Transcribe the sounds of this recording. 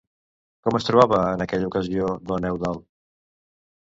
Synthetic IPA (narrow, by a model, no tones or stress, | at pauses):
kɔməst̪ɾuβaβəːnəkɛʎəukəzioðənɛwðalˠ